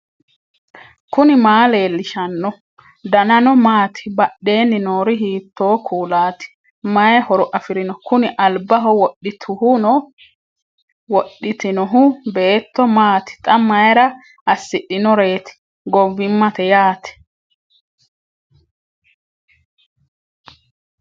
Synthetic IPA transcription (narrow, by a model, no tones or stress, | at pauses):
kʊnɪmaːle̞ːlːɪʃɐnːɔ | d̪ɐnɐnɔmaːt̪ɪ̥bɐɗːe̞ːnːɪnoːɾɪɦiːt̪ːo̞ːkʰuːlaːt̪ɪ̥ | mɐjɛhɔɾʊʔɐfɪɾɪnɔkʊnɪʔɐlbɐɦɔwɔɗːɪt̪ʰʊhʊnɔ | wɔɗːɪt̪ɪnɔɦʊbe̞ːt̪ːɔmaːt̪ɪ̥t̪ʼɐmɐjɾɐ | ɐsːɪɗːɪnɔɾe̞ːt̪ɪ̥ | ɡɔvːɪmːɐt̪ɛjaːt̪ɛ̥